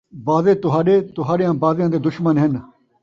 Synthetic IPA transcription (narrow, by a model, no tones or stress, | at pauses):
baːzeːt̪ʊɦaːɗeːt̪ʊɦaːɗɪjãːbaːzɪjãːd̪eːd̪ʊʃmənɦɪn